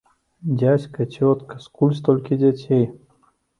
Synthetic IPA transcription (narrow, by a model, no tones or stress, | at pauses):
dʲatʲkət͡ɕʲot̪kəskulʲs̬t̪olʲkʲɪdʲatʲej